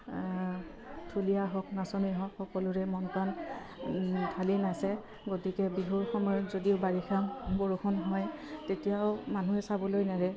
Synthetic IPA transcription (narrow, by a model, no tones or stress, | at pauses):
tʰulijaɦɔk̚nasɔmiɦɔkxɔkɔlʊɹɛmɔnkan | tʰalinasɛ | ɡotikɛbiɦuɹxɔmɔjɔtzodiʊbaɹixʰambɔɹuxʰɔnɦɔjtetijaʊmanuɛsabɔlojnaɹɛ